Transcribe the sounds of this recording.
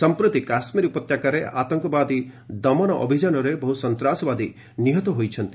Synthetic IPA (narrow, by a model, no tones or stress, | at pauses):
sɔmpɾut̪ikasmiɾiupɔt̪jakaɾea̰t̪ɔŋkɔbad̪id̪ɔmɔnɔʔɔ̰bʱid͡ʒanɔɾebɔɦusɔnt̪ɾasɔbad̪i | niɦɔt̪ɔɦojt͡ʃʰɔnt̪i̥